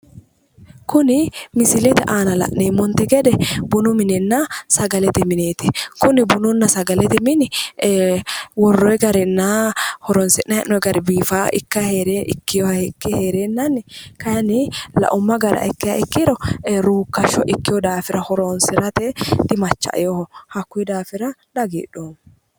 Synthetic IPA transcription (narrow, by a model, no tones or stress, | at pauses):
kʊnɪmɪsɪlɛt̪ɛʔaːnɐlɐ̰ʔneːmɔnt̪ɪɡɛd̪ɛbʊnʊmɪnɛnːɐsɐɡɐlɛt̪ɪmɪneːt̪ɪkʊnɪbʊnʊnːɐsɐɡɐlɛt̪ɪmɪnɪ | wɔrːɔjɡɐɾɛnːahɔɾɔnsɪnːɐhɛnːɔɛɡɐɾɪbiːfaːʔɪkːɐheɾeɪ̰kːɪjɔɛkːɪheːɾeːnːɐnːɪkɐjɐnɪlɐ̰ʔʊmːɐɡɐɾɐ̰ʔɪkːɪjɐʔɪkːɪɾɔɾuːkːɐʃɔʔɪkːɪjɔd̪aːfɪɾɐhɔɾonsɪɾɐt̪ɛd̪̥ɪmɐt͡ʃːɐ̰ʔjɔhhɐkːʊɛd̪aːfɪɾɐᶑ̪ɐɡḭːᶑoːm